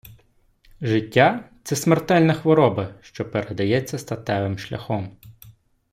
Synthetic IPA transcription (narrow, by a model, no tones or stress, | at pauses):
ʒɪtʲːat̪sɛsmert̪ɛlʲnɐxʋɔɾɔbɐʃt͡ʃɔpeɾed̪ɐjɛt͡sʲːɐst̪ɐt̪ɛʋɪmʃlʲɐ̰xɔm